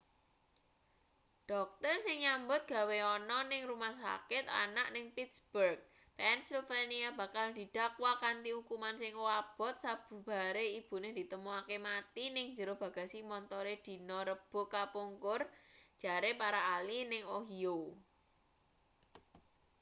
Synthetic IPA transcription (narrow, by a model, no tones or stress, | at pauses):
ɖ̥ɔk̚t̪ərsɪŋɲambʊt̪̚ɡ̥a̤weɔnɔnɪŋrumahsa̰kɪt̪a̰naʔnɪŋpit̪sb̥ərɡ̚ | pɛnsilfeniaba̤kald̪̥i̤d̪̥a̤kwakant̪ihukumansɪŋwab̥ɔ̤t̪̚sab̥ṳb̥a̤ɾeib̥ṳnɪhd̪̥i̤t̪əmuakemat̪inɪŋɲd͡ʒəɾʊhb̥ä̤ɡ̥asimɔnt̪ɔɾed̪̥i̤nɔɾəb̥o̤kapuŋkʊr̥d͡ʒ̥a̤ɾepaɾaːlinɪŋoɦio